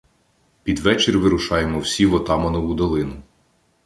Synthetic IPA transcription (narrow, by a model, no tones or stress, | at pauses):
pʲid̪ʋɛt͡ʃeɾʲʋɪɾʊʃɑjemɔwsʲiʋɔt̪ɑmɐnɔʋʊd̪ɔlˠɪnʊ